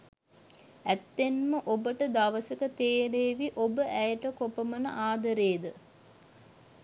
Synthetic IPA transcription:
æt̪ːenməʔobəʈəd̪aʋəsəkət̪eːɾeːʋiʔobəʔæjəʈəkopəmənə̰ʔaːd̪əɾeːd̪ə

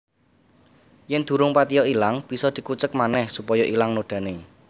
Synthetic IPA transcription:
jɛnd̪̥ṳɾʊŋpat̪ijɔilaŋb̥i̤sɔd̪̥i̤kut͡ʃək̚manɛhsupɔjɔʔilaŋnoɖ̪̥ä̤ne

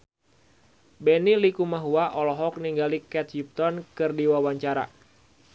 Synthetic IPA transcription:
bɛnilikumaɦuaʔɔlɔɦɔk̚niŋɡalikɛt̪̚hup̚t̪ɔnkɨrdiwawaɲt͡ʃaɾa̰

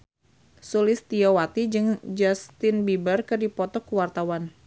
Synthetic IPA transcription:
sulɪst̪iawat̪id͡ʒɨŋd͡ʒast̪ɪnbibərkɨrdipɔt̪ɔkuwart̪awan

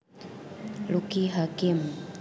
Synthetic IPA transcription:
lukiɦakim

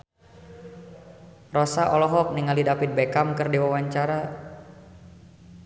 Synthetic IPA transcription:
rɔsaʔɔlɔɦɔk̚niŋalidapit̪̚bekamkɨrdiwawaɲt͡ʃaɾa

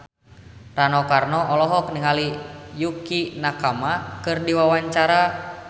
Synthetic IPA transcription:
ranɔkarnɔʔɔlɔɦɔkniŋalijukinakamakɨrdiwawaɲt͡ʃaɾa

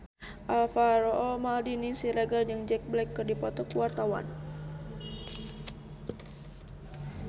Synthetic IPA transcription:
ʔalfaɾɔɔmaldinisiɾaɡard͡ʒaŋd͡ʒɛk̚blɛkːɨrdipɔt̪ɔkuwart̪awa̰n

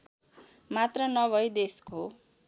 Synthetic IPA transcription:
mat̪rʌnʌβʱʌjd̪esko

